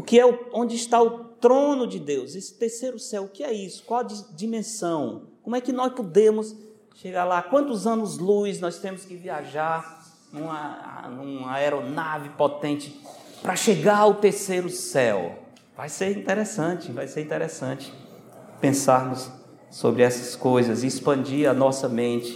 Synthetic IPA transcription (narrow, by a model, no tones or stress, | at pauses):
ʊkɪɛʊõd͡ʒɪɪʃt̪aʊt̪ɾõnʊd͡ʒɪd̪ewzesɪ̥t̪eɾsejɾʊsɛwʊkɪɛisʊ̥kwawd͡ʒd͡ʒimẽsɐ̃w̃kõmʊɛkɪnɔspod̪ẽmʊs | ʃeɡaɾlakwɐ̃nt̪ʊzɐ̃nʊzlujznɔst̪ẽmʊskɪviaʒaɾ | nũmɐ̰nũɐɛɾonavɪpot̪ẽnt͡ʃɪ | pɾɐʃeɡaɾɐwt̪eɾsejɾʊsɛw | vajseɾĩt̪ɛɾɛsɐ̃t͡ʃɪvajseɾĩnt̪ɛɾɛsɐ̃t͡ʃɪ̥ | pẽsaɾnʊsː | obɾɪɛsɐskojzɐziːspɐ̃nd͡ʒiɾɐnɔsɐmẽnt͡ʃɪ̥